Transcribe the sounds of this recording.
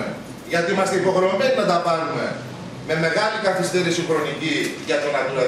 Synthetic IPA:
e | ʝɐt̪iimɐst̪eipo̞ɣno̞meninɐt̪ɐpɐlume̞ | me̞me̞ɣɐlikɐθist̪eɾisiŋxɾo̞niciʝɐt̪onɐt̪ino

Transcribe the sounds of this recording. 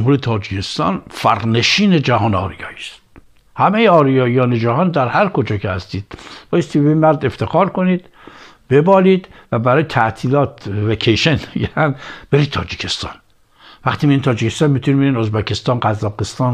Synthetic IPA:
mhuɾet̪ʰɒːd͡ʒicʰest̪ɒːnfæɾne̞ʃiːned͡ʒæhɒːneɒ̰ːɾijɒ̰ːiːst̪̚ | hæmejeɒːɾijɒːijɒːned͡ʒæhɒːnd̪æɾhæɾkod͡ʒɒːkʰehæst̪iːd̪̥b̥ɒːjest̪iːbbeiːnmæɾd̪e̞ft̪ʰe̞xɒːɾkoniːd̪̥ | b̥e̞bɒːliːd̪væbæɾɒːjet̪ʰæt̪ʰiːlɒːt̪vekʰejʃenmeɡænb̥eɾiːd̪̚t̪ʰːɒːd͡ʒicʰest̪ɒ̰ːn | væχt̪iːmiint̪ɒːd͡ʒicʰest̪ɒnmiːt̪ʰunibeɾiːno̞zbæcʰest̪ɒːnɢæzːɒːqest̪ɒːn

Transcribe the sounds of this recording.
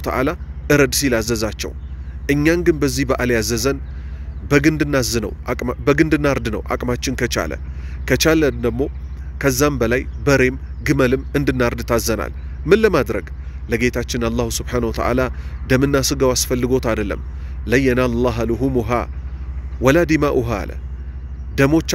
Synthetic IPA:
t̪ʰəʔa̰laʔɨɾəd̪silazəzat͡ʃːɛ̰wʔɨɲːaŋɡɨnbəzːihbəʔaljazəzən | bəɡɨnd̪ɨnːazːɨnə̰wkʼbəɡɨnd̪ɨnːaɾd̪ɨnə̰wʔa̰kʼmat͡ʃːɪnkʰət͡ʃa̰lə̰ | kʰət͡ʃaləd̪əɡ̚mo̞ | kʰəzːambəlajbəɾe̞m | ɡɨməlɨmɨnd̪ɨnːaɾd̪ɨt̪ʰazːəna̰l | mɨnləmad̪ɾəɡ | ləɡe̞t̪ʰat͡ʃːɪnalˤːahusubħanəwɔt̪ʰə̰ʔa̰lad̪əmɨnːasɨɡəwasfəlːɨɡo̞t̪ad̪əlːə̰m | ləjːənalɑɦaluɦumuɦa | wɔlad̪imaʔuɦa̰lə̰ | d̪əmo̞t͡ʃː

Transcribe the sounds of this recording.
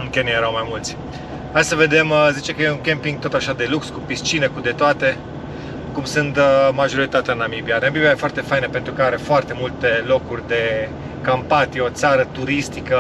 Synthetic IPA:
ɨŋkʲenijeɾawmajmult̪sʲ | ajsəve̞d̪e̞mzit͡ʃekəjeuŋkʲempiŋɡ̚t̪o̞t̪aʃad̪e̞lukskupist͡ʃinekud̪e̞t̪oat̪e̞ | kumsɨnt̪maʒo̞ɾit̪at̪eanamibianamibiajefoart̪e̞fajnəpent̪ɾukəaɾe̞foart̪e̞mult̪e̞lo̞kurʲd̪e̞ | kampat̪ijeo̞t̪saɾət̪uɾist̪ikə

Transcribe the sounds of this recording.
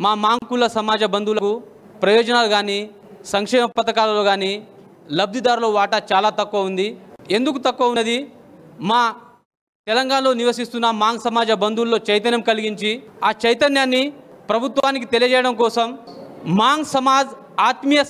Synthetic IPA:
maːmaːŋkulɐsɐmaːd͡ʒɐbɐnd̪ulɐku | pɾɐjɔːd͡ʒɐnaːluɡaːniː | sɐŋkʂɛːmɐpɐt̪ɐkaːlɐloːɡaːniː | lɐb̚d̪ʱid̪aːɾuloːʋaːʈɐt͡ʃaːlaːt̪ɐkːuɐund̪ie̞nd̪ukut̪ɐkːuɐunɐd̪imaː | t̪ɛlɐŋɡaːnɐlo̞ːniʋɐsist̪unːɐmaːŋsɐmaːd͡ʒɐbɐnd̪ulːo̞ːt͡ʃɐjt̪ɐnjɐmkɐliɡiɲt͡ʃiaːt͡ʃɐjt̪ɐnjaːnːipɾɐbʱut̪ʋaːnik̬it̪e̞lijɐd͡ʒɛːjɐɽɐmkɔːsɐmmaːŋɡsɐmaːd͡ʒ | aːt̪mijɐ

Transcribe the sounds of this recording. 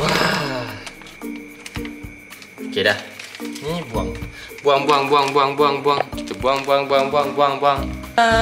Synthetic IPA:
ba | kedanibwaŋbwaŋbwaŋbwaŋbwaŋbaŋbwaŋketebwaŋbwaŋbwaŋbʷaŋbwaŋbwaŋ

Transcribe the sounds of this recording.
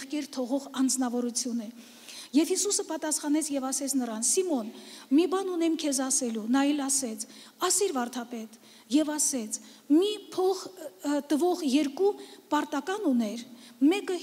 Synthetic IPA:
χkɛɾt̪ʰɔʁɔʁɑnd͡znɑvɔɾut͡sʰjunɛ | jɛvhisusəpɑt̪ɑsχɑnɛt͡sʰjɛvɑsɛt͡sʰnəɾɑnsimɔnmibɑnunɛmkʰɛzɑsɛlunɑɛlɑsɛt͡sʰɑsiɾvɑɾt̪ʰɑpɛt̪ | jɛvɑsɛt͡sʰ | mipʰɔχt̪əvɔʁjɛɾkupɑɾt̪ɑkɑnunɛɾmɛkə

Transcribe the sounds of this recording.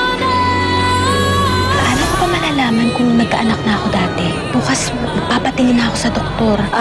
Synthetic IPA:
ɐʔaːlɐkobɐmɐlaːlaːmɐnkʊŋnɐɡ̚kːɐ̰ʔɐnɐk̚nɐʔɐko̞d̪aːt̪ɛ | b̥uːkɐs | mɐɡ̚paːpɐt̪ɪlɪnɐʔɐko̞sɐd̪ok̚t̪o̞ɾ

